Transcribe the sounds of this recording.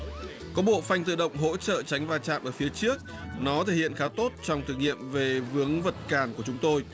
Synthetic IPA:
kɔ˨˦ɓo̰˧˨fa˧jŋ̟t̪ɨ̰˧˨ɗə̰˧˨wŋ͡mɦo̰˧˥t͡ɕə̰ː˧˨t͡ɕa˨˦jŋ̟vaː˧˩t͡ɕa̰ː˧˨mʔəː˧˩fi˨˦ət͡ɕɨ˦˥ək̚ | nɔ˨˦t̪ʰe˧˩hḭ˧˨ənxaː˨˦t̪o˦˥t̚t͡ɕɔ˧wŋ͡mt̪ʰɨ˨˩ŋḭ˧˨əmve˨˩vɨ˨˦əŋvə˨˩t̚kaː˨˩nku˧˩ət͡ɕʊ˨˦ŋ͡mt̪o˧j

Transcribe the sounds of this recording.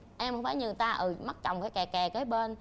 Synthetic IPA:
ʔɛ˧mhŋ͡mfaː˧˩˦ɲɨ˨˩t̪aː˧ʔɨ˨˩ma˦˥t̚t͡ɕɔ˨˩wŋ͡mfaː˧˩jkɛ˨˩kɛ˨˩kəː˨˦jɓe˧n

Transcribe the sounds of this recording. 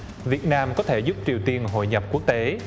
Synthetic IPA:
vi˨˩ət̚naː˧mkɔ˨˦t̪ʰe˧˩zʊ˦˥p̚t͡ɕi˨˩əwt̪i˧ənɦo̰˧˨jɲə˨˩p̚ku˦˥ək̚t̪e˨˦

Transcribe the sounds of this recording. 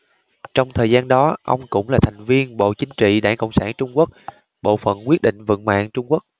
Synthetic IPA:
t͡ɕɔ˧wŋ͡mt̪ʰəː˨˩jzaː˧nɗɔ˨˦ʔə˧wŋ͡mkʊ̰˧˥ŋ͡mlaː˨˩t̪ʰa˨˩jŋ̟vi˧ənɓo̰˧˨t͡ɕï˨˦ŋt͡ɕḭ˧˨ɗaː˧˩nkə̰˧˨wŋ͡msaː˧˩nt͡ɕʊ˧ŋ͡mku˦˥ək̚ | ɓo̰˧˨fə̰˧˨nkwi˦˥ət̚ɗḭ̈˧˨ŋ̟və̰˧˨nma̰ː˧˨ŋt͡ɕʊ˧ŋ͡mku˦˥ək̚

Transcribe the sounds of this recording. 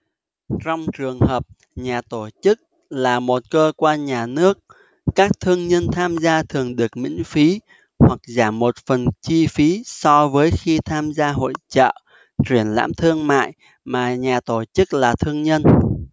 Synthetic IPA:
t͡ɕɔ˧wŋ͡mt͡ɕɨ˨˩əŋhəː˨˩p̚ | ɲaː˨˩t̪o˧˩t͡ɕɨ˦˥k̚ | laː˨˩mo˨˩t̚kəː˧kwaː˧nɲaː˨˩nɨ˦˥ək̚ː | aː˦˥k̚t̪ʰɨ˧əŋɲə˧nt̪ʰaː˧mzaː˧t̪ʰɨ˨˩əŋɗɨ˨˩ək̚mḭ˧˥ŋ̟fi˨˦ | hwa˨˩k̚zaː˧˩mːo˨˩t̚fə˨˩nt͡ɕi˧fi˨˦sɔ˧vəː˨˦jxi˧t̪ʰaː˧mzaː˧ɦo̰˧˨jt͡ɕə̰ː˧˨ | t͡ɕwi˧˩ənla̰ː˧˥mt̪ʰɨ˧əŋma̰ː˧˨j | maː˨˩ɲaː˨˩t̪o˧˩t͡ɕɨ˦˥k̚laː˨˩t̪ʰɨ˧əŋɲə˧n

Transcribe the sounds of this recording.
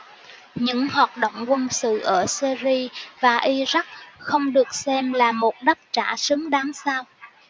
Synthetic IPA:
ɲɨ̰˧˥ŋhwaː˨˩t̚ɗə̰˧˨wŋ͡mkwə˧nsɨ̰˧˨ʔəː˧˩si˧zi˧vaː˨˩ʔi˧za˦˥k̚xə˧wŋ͡mɗɨ˨˩ək̚sɛ˧mlaː˨˩mo˨˩t̚ɗə˦˥t̚t͡ɕaː˧˩sɨ˨˦ŋɗaː˨˦ŋsaː˧w

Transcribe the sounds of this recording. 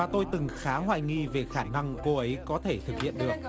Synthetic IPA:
aː˨˩t̪o˧jt̪ɨ˨˩ŋxaː˨˦ɦwaː˧˩jŋi˧ve˨˩xaː˧˩na˧ŋko˧ʔə˨˦jkɔ˨˦t̪ʰe˧˩t̪ʰɨ˨˩k̚hḭ˧˨ənɗɨ˨˩ək̚

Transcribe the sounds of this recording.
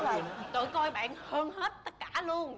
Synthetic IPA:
əː˨˩t̪ɨ̰˧˨kɔ˧jɓa̰ː˧˨nhəː˧nhe˦˥t̚t̪ə˦˥t̚kaː˧˩lu˧ən

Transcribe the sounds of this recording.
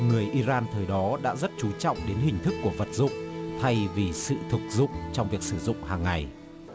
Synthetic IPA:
ŋɨ˨˩əjʔi˧zaː˧nt̪ʰəː˨˩jɗɔ˨˦ɗa̰ː˧˥zə˦˥t̚t͡ɕu˨˦t͡ɕɔ̰˧˨wŋ͡mɗe˨˦nɦï˨˩ŋ̟t̪ʰɨ˦˥kːu˧˩əvə˨˩t̚zʊ̰˧˨ŋ͡mt̪ʰa˧jvi˨˩sɨ̰˧˨t̪ʰu˨˩k̚zʊ̰˧˨ŋ͡mt͡ɕɔ˧wŋ͡mvi˨˩ək̚sɨ˧˩zʊ̰˧˨ŋ͡mhaː˨˩ŋːa˨˩j

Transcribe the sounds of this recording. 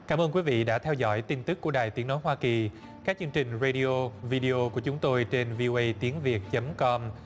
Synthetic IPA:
kaː˧˩mʔəː˧nkwi˨˦vḭ˧˨ɗa̰ː˧˥t̪ʰɛ˧wzɔ̰˧˥˩jt̪i˧nt̪ɨ˦˥kːu˧˩əɗaː˨˩jt̪i˨˦əno˨˦jɦwaː˧ki˨˩ | kaː˦˥k̚t͡ɕɨ˧əŋt͡ɕï˨˩ŋ̟ze˧ɗi˧ʔo˧vi˧ɗi˧ʔo˧ku˧˩ət͡ɕʊ˨˦ŋ͡mt̪o˧jt͡ɕe˧nvi˧ʔo˧ʔə˧jt̪i˨˦ənvi˨˩ət̚t͡ɕə˨˦mkɔ˧m

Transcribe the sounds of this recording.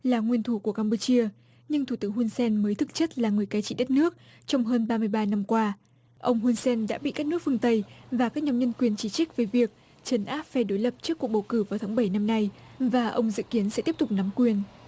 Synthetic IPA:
laː˨˩ŋwi˧ənt̪ʰu˧˩ku˧˩əkaː˧mpu˧t͡ɕi˧ə | ɲɨ˧ŋt̪ʰu˧˩t̪ɨ˨˦ŋhu˧nsɛ˧nməː˨˦jt̪ʰɨ˨˩k̚t͡ɕə˦˥t̚laː˨˩ŋɨ˨˩əjka˨˦jt͡ɕḭ˧˨ɗə˦˥t̚nɨ˦˥ək̚ | t͡ɕɔ˧wŋ͡mɦəː˧nɓaː˧mɨ˧əjɓaː˧na˧mkwaː˧ | ʔə˧wŋ͡mɦu˧nsɛ˧nɗa̰ː˧˥ɓḭ˧˨ka˦˥nɨ˦˥kfɨ˧əŋt̪ə˧jvaː˨˩kaː˦˥k̚ɲa˨˧˦ɲə˧nkwi˨˩ənt͡ɕi˧˩t͡ɕi˦˥k̚ve˨˩vi˨˩ək̚ | t͡ɕə˨˦nʔaː˦˥p̚fɛ˧˩ɗo˨˦jlə˨˩p̚t͡ɕɨ˦˥kːu˨˩ək̚ɓə˨˩wkɨ˧˩vaː˨˩wt̪ʰaː˨˦ŋɓə˧˩jna˧mna˧jvaː˨˩ʔə̰˧wŋ͡mzɨ̰˧˨ki˨˦ənsɛ̰˧˥t̪i˦˥əp̚t̪ʊ˨k͡p̚na˨˦mkwi˨˩ən

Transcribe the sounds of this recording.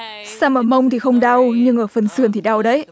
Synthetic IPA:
saː˧mʔəː˧˩mə˧wŋ͡mt̪ʰi˨˩xə˧wŋ͡mɗa˧wɲɨ˧ŋʔəː˧˩fə˨˩nsɨ˧˩ənt̪i˨˩ɗa˧˩wɗə˨˦j

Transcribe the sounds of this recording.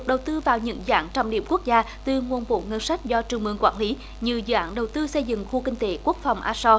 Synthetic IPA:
ɗə˨˩wt̪ɨ˧vaː˨˩wɲɨ̰˧˥ŋzaː˨˦nt͡ɕɔ˧wŋ͡mɗḭ˧˩əmku˦˥ək̚zaː˧ | t̪ɨ˨˩ŋu˨˩ənɓo̰˧˨˦ŋə˧nsa˦˥jk̟̚zɔ˧t͡ɕɨ˨˩əŋ͡mmɨ˨˧˩ŋkwaː˧˥nli˨˦ | ɲɨ˧zɨ̰˧˨ʔaː˨˦nɗə˨˩wt̪ɨ˧sə˧jzɨ̰˧˨ŋxu˧kï˧ŋ̟t̪e˨˦ku˦˥ək̚fa˨˩wŋ͡mʔaː˧sɔ˧

